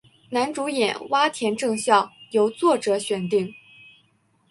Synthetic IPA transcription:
na˧˥nʈ͡ʂu˧˥jɛ̰˨˩˦nwa˥t̪ʰjɛ˧˥nʈ͡ʂɤ˥˧ŋɕjɑ˥˩ʊjo˧˥ʊt͡swɔ˥˩ʈ͡ʂɤ˧˥ɕɥɛ˨˩nt̪i˥˩ŋ

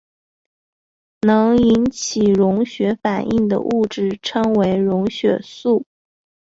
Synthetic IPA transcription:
nɤ˧˥ŋi˧˥nt͡ɕʰi˨˩ɻʊ˧˥ŋɕɥɛ˧˥fa˨˩ni˥˩ŋd̪ə̰˩ʔu˥˧ʈ͡ʂɻ̩˥˩ʈ͡ʂʰɤ˥ŋwe˧˥ɪɻʊ˧˥ŋɕɥɛ̰˨˩su˥˩

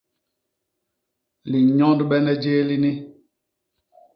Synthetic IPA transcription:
li˨ɲɔ̃˦n˦dɓɛ˦nɛ˦d͡ʒeː˦li˦ni˦

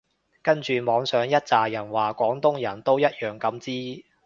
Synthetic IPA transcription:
kɐ˥nt͡ʃyː˨mɔː˨˧ŋsœː˨˥ŋjɐ˥t̚t͡saː˨jɐ˨˩nwaː˨kʷɔː˨˥ŋt̪ʊ˥ŋjɐ˨˩nt̪o˥wjɐ˥t̚jœː˨˩ŋkɐ˨˧mt͡siː˥

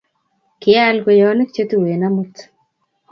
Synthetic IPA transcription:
kɪalɡo˨jɔ˨˦ne˦kt͡ʃe˦t̪u˦we˨namut

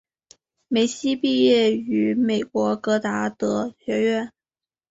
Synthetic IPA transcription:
me˧˥ɪɕi˥pi˥˧jɛ˥˩y˧˥me˨˩ɪkwɔ˧˥kɤ˧˥t̪a˧˥t̪ɤ˧˥ɕɥɛ˧˥ɥɛ˥˩n

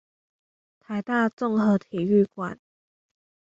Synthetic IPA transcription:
t̪ʰa˨˧˦ɪt̪a˥˧t͡sɔ˥˨ŋhɤ˨˦t̪ʰi˨˩y˥˩kwa̰˨˦n

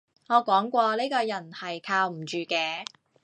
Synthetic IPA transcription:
ŋɔː˨˧kɔː˨˥ŋkʷɔː˧liː˥kɔː˧jɐ˨˩nhɐ˨jkʰaː˧wm̩˨˩t͡ʃyː˨kɛː˧

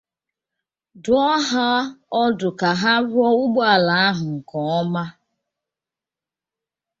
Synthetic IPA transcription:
dʊ˨ɔ˦ɦa˦ɔ˦dʊ˨ka˨ɦa˦ɾʊ˦ɔ˦ʊ˦ɡ͡ba˨la˨a˦ɦʊ˨ŋ̩˨kɔ˨ɔ˦ma˦

